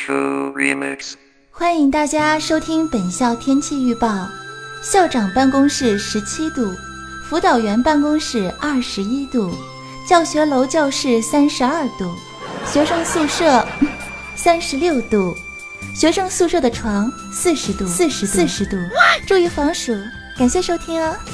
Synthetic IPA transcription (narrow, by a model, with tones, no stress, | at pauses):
ṵ˥˧ɹḭ˧mɛ̰˥˧ks | xwa˥ni˧˩ŋt̪a˥˩t͡ɕja˥ʂo˥ʊt̪ʰi˥ŋpə˨˩nɕjɑ˥˩ʊt̪ʰjɛ˥nt͡ɕʰi˥˧y˥˧pɑ˥˩ʊɕjɑ˥˩ʊʈ͡ʂɑ˨˩ŋpa˥˩nkʊ˥ŋʂɻ̩˥˩ʂɻ̩˧˥t͡ɕʰi˥t̪u˥˩ | fu˧˥t̪ɑ˨˩ʊɥɛ˧˥npa˥˩nkʊ˥ŋʂɻ̩˥˩ɐ˥˩ʂɻ̩˧˥i˥t̪u˥˩ | t͡ɕjɑ˥˩ʊɕɥɛ˧˥lo˧˥ʊt͡ɕjɑ˥˧ʊʂɻ̩˥˩sa˥nʂɻ̩˧˥ɐ˞˥˧˩t̪u˥˩ | ɕɥɛ˧˥ʂɤ˥˧ŋsu˥˧ʂɤ˥˩ | sa˥nʂɻ̩˧˥ljo˥˧ʊt̪u˥˩ | ɕɥɛ˧˥ʂɤ˥˧ŋsu˥˧ʂɤ˥˩d̪ə˩ʈ͡ʂʰwɑ˧˥ŋ | sɹ̩˥˧ʂɻ̩˧˥t̪u˥˧sɹ̩˥˧ʂɻ̩˧˥sɹ̩˥˧ʂɻ̩˧˥t̪u˥˩ʈ͡ʂu˥˧i˥˩fɑ˧˥ŋʂu˨˩˦ | ka˨˩nɕjɛ˥˩ʂo˥ʊt̪ʰi˥ŋɐ˧